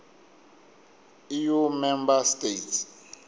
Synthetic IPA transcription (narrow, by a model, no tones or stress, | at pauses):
ijumɛmbastets